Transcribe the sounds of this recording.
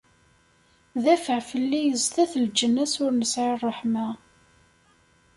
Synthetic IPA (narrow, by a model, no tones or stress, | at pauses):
ðæfəʕfəlːijəzt̪æθəld͡ʒənːæsʊɾnəsʕirˤːəħmæ